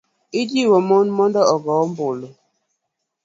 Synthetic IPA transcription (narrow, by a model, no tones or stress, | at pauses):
idiwɔmɔnmɔndɔɔɡɔm̩bolo